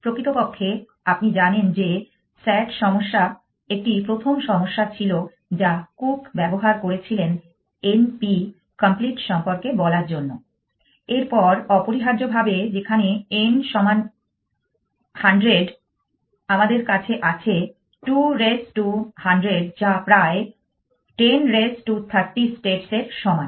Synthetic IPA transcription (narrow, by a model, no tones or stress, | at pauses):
pɾokɾit̪opokʰːe | apnid͡ʑanend͡ʑe | sɛʈʃɔmoʃːa | ek̚ʈipɾot̪ʰomʃɔmoʃːat͡ɕʰilo | d͡ʑakukbɛboɦaɾkoɾet͡ɕʰilen | enpi | kampliʈʃɔmpoɾkebɔlaɾd͡ʑonːo | eɾpɔɾɔpoɾiɦaɾd͡ʑobʱabed͡ʑekʰaneenʃɔman | haɳɖɾeɖ | amad̪eɾkat͡ɕʰeʔat͡ɕʰe | ʈuɾesʈuhaɳɖɾeɖd͡ʑapɾae | ʈenɾesʈut̪ʰaɾʈːisʈeʈseɾʃɔmae